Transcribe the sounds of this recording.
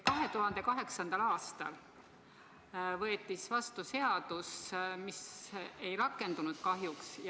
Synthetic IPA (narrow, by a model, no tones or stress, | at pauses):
kɑɦe̞t̪uɦɑnd̪̥e̞kɑɦe̞ksɑnd̪̥ɑlɑːst̪ɑ̰l | vɤet̪ːˑisvɑst̪use̞ɑd̪usmisejɾɑkːˑe̞nd̪̥unud̪̥kɑɦjuks